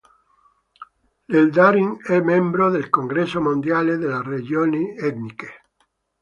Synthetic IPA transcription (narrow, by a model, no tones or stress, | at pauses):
leld̪aɾiŋɛmɛmbɾoðelkoŋɡɾesomond̪jaled̪elared͡ʒjoniɛt̪nike